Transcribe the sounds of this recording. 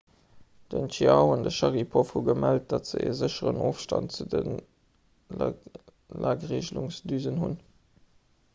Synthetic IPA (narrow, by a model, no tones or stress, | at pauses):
d̥əntiɑʊɑndəʃɑʁipʰofhuɡəmælt̚d̥ɑtz̥əḛːzəɕəʁənoːfʃtɑ̰ntt͡sudən | lʔaːɡʁeːʑluŋsdyːzənɦun